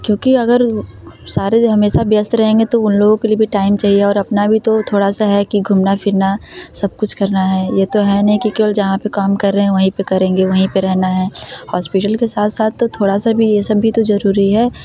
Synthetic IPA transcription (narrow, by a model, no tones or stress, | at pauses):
kjõːkiɐɡəɾsaːɾeɦɐmeːʃabjɐst̪ɾɐɦẽːŋɡet̪oʊnloːɡõkeliebʱiʈaːɪmt͡ʃaːɦieɔːɾɐpnabʱit̪ot̪ʰoːɽasaɦɛkiɡʱʊmnafɪɾnasɐb̚kʊt͡ʃʰkɐɾnaɦɛːjet̪oɦɛnɐɦĩkikeːbəld͡ʒɐɦãpekaːmkɐɾːɐɦɛ̃ʋɐɦĩpekɐɾẽːŋɡeʋɐɦĩpeɾɛɦnaɦɛːhɔːspɪʈəlkesaːt̪ʰsaːt̪ʰːot̪ʰoːɽasabʱijesɐbːʱit̪ozɐɾuːɾiɦɛː